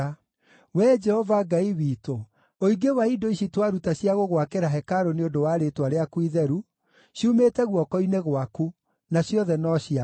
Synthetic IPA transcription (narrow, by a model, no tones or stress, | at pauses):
wɛd͡ʒɛhɔvaɡaiwiːto | oiɡewaidoiɕitwaɾutaɕjaɣoɣwakeɾaɦɛkaɾoneodowaɾetwaɾeakwiðɛɾu | ɕiumetɛɣwɔkɔineɣwaku | naɕjɔðɛnɔɕia